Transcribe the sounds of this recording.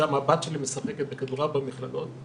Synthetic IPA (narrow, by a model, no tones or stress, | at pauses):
amabat̪ʃe̞limesaχeket̪̚bekad̪uʁabamiχladot̪